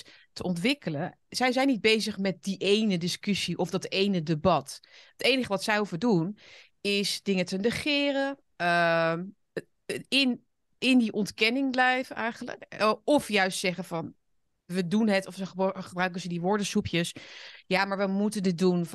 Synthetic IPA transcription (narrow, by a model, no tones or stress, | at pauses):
təʔɔntʋɪkələn | z̥ɛjzɛjnid̚bejzəχmɛt̚diʔejnədɪskɵsiʔɔfdɑtejnədebɑtɦətejnəχəʋɑtsɛjɦufədun | ɪsdɪŋətənəχɪːrə | əm | ɪn | ɪndiʔɔntkɛnɪŋblɛjvəʔɛjχənlə̰kɔfjœɥstsɛχəvɑn | ʋədunɦətɔfəχəbrœɥkənzədiʋʊɹdəsupjəsjaːmaːɹʋəmutəndɪdun